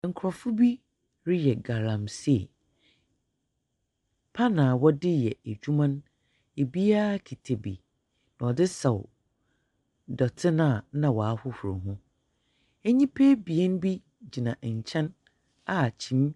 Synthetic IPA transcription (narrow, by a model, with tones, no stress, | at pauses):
ŋ̩˨kʰɾɔ˨fʊ˦bi˦ | ɾɪ˦jɛ˨ɡa˨ɾã˨msɛ˦˨ | pʰa˦nã˨wɔ˦dɪ˦jɛ˨e˨d͡ʑu˦mã˦n | e˨bi˦a˦kʰi˨tʰe˨bḭ˨ | nã˨ɔ˨dɪ˦sɛ˨w | dɔ˨tʰɪ˦nã˦˨nã˨wɔ˨a˦hʊ˦hʊ˨ɾo̰˨ɦũ˦ | ɛ˦ɲĩ˦pʰe˦bi˨e˦n˦bi˦ | d͡ʑi˨nã˨ʔɲ̩˨t͡ɕʰɛ̃˦n | a˨t͡ɕʰĩ˨˦m